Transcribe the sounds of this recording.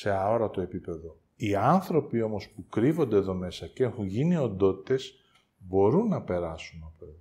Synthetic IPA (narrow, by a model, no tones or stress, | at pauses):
se̞ɐoɾɐt̪oe̞pipe̞ðo̞ | iɐnθɾo̞pio̞mo̞spukɾivo̞nd̪eðo̞me̞sɐcexuɲʝinio̞nd̪o̞t̪i̥t̪e̞s | bo̞ɾunːɐpe̞ɾɐsunɐp